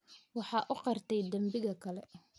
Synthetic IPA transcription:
wɑħɑːʔʊqɑrt̪ʰɛjd̪ɐmbɪɣɐkʰɐlɛ

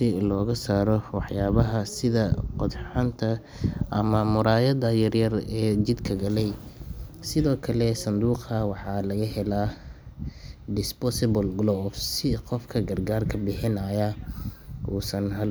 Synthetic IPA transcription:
sɪlɔːɣɐsaːɾɔwɑħjaːβɐɦɐsɪðɐqɔd̪ħɑnt̪ʰɐ | ʔɐmɐmʊɾaːjɐd̪ɐjɐrjɐrɛːt͡ʃɪd̪kʰɐɡɐlɛj | sɪðɔːkʰɐlɛsɐnd̪uːqɐwɑħɑːlɐɣɐhɛla | d̪ɪspɔsɪbɔlɡlɔfsɪqɔfkʰɐɡɐrɡaːrkʰɐbɪħɪnɐjɐ | ʔuːsɐnɦɐl

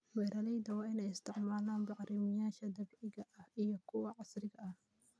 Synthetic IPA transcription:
wɛːɾɐlɛjd̪ɐwaːɪnɛjɪst̪ʰɪʕmaːlaːnbɑʕɾimɪjaːʃɐd̪ɐbʕɪɣɐʔɐhʔijɔkʰʊwɐʕɑsɾɪɣɐʔɐh

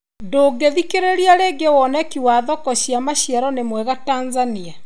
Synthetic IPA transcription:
ndoːɡeðikeɾeɾiaɾeɡewɔnɛkiwaːðɔkɔɕiamaɕiɛɾɔnemwɛɣataːnzania

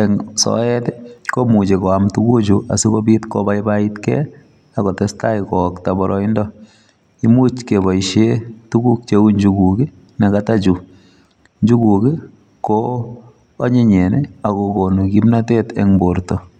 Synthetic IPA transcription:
ɛŋsɔ̰ɛtekomut͡ʃekɔamtukud͡ʒuʔa̰sikobitkɔ̰baibaitkɛ̰ | akɔtɛstaikɔktabɔɾʔɔindɔ | imut͡ʃkebaiʃetukuk̚t͡ʃeuɲd͡ʒukuki | nekatat͡ʃu | ɲd͡ʒukuki | koː | ɲeɲɛneakokonokimnatetɛ̰ŋboɾtɔ

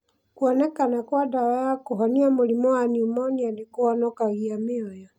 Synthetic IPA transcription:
kwɔnɛkanakwadaβajakoɦɔniamolimɔwaniumɔniadekoɔnɔkaɣiamɪɔjɔ

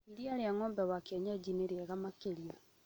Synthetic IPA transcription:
iɾiaɾeaŋɔːmbɛwakiaɲad͡ʑineɾeɛɣamakeɾia

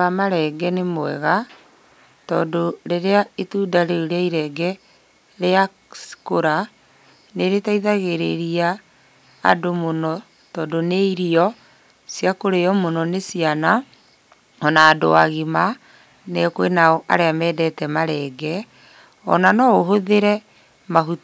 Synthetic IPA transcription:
amaɾɛɡɛnemoɛɣa | tɔ̰ːdoɾeɾeaetuːdaɾeoɾeaiɾɛɡɛ | ɾea | skoɾa | neɾetaiðaɣeɾeɾia̰ː | domonɔ | tɔːdoneiɾiɔ | sijakoɾejɔmonɔnesiana | ɔnaːdo̰waɣima | nekwenaɔʔa̰ɾeamɛːdɛtɛmaɾɛɡɛ | ɔnanɔoɦoðeɾɛ | maɦut

